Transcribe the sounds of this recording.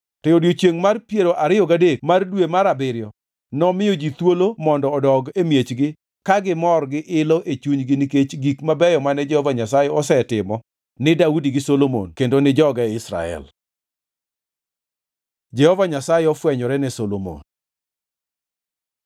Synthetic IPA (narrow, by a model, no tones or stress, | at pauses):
tɔjodjot͡ʃjeŋmarpjeɾoʔaɾɪjɔɡadekmardwemaɾabɪɾjɔ | nɔmɪjod͡ʒit̪wolomɔndɔːdɔɡemjet͡ʃɡɪ | kaɡɪmɔrɡɪʔɪlɔʔet͡ʃuɲɡɪniket͡ʃɡikmabɛjɔmanɛd͡ʒɛhɔvaɲasajɛɔsɛtɪmɔ | nɪdaudiɡɪsolomo̰nkendonɪd͡ʒɔɡaɛɪsɾa̰ɛ̰l | d͡ʒɛhɔvaɲasajɛɔfwɛɲɔɾɛnɛsolomo̰n